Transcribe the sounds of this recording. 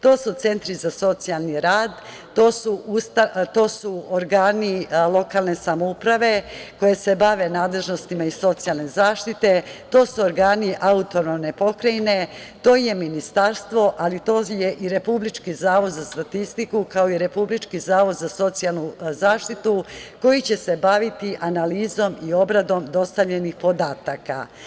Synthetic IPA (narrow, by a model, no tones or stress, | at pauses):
t̪o̞ːsut̪se̞nt̪ɾizaso̞t̪sijalniɾaːd̪ | t̪oːsuust̪at̪o̞ːsuoɾɡaːnilˠo̞kaːlˠne̞samoupɾaʋe̞ko̞je̞se̞baʋe̞naːd̪le̞ʒno̞st̪imaiso̞t̪sijalˠne̞zaːʃt̪it̪e̞t̪o̞ːsuoɾɡaːniʔaut̪o̞nomne̞po̞kɾajne̞t̪o̞ːje̞minist̪aɾst̪ʋo̞ʔalit̪o̞ːje̞ʔiɾe̞publit͡ʃkizaːʋo̞d̪zast̪at̪ist̪ikukao̞iɾe̞publit͡ʃkizaːʋo̞d̪zaso̞t̪sialˠnuzaːʃt̪it̪uko̞jit͡ɕe̞se̞baʋit̪iʔanaliːzo̞mio̞bɾad̪o̞md̪o̞st̪aʋʎe̞nixpo̞d̪aːt̪aka̰